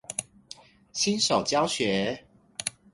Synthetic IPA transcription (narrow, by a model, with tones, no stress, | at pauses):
ɕʰi˦nʂo˨˩ʊt͡ɕjɑ˥˦ʊɕɥɛ˨˦